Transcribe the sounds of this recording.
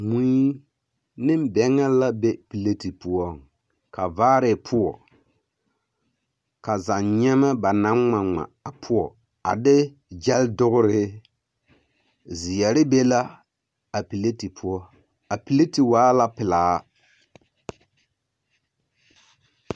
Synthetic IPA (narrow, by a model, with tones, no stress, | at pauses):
mu˦i˦ | nɪ˦m˦bɛ˨ŋa˦la˦be˦pi˨le˦ti˨pʊ˦ɔ˦ŋ | ka˨vaː˦ɾɪ˨pʰʊ˦ɔ˨ | ka˨za˨nɲɛ˦mɛ˦ba˨na˦ŋŋ͡ma˨ŋ͡ma̰˨a˨pʰʊ˦ɔ˨ | a̰˨dɪ˦ | d͡ʒɛ˦ldʊ˦ɣʊ˦ɾɪ˦ | zi˨ɛ˨ɾɪ˦be˦la˦ | a˨pi˨le˦ti˨pʰʊ˦ɔ˦ | a˨pi˨le˦ti˨waː˦la˦pɪ˨laː˨˦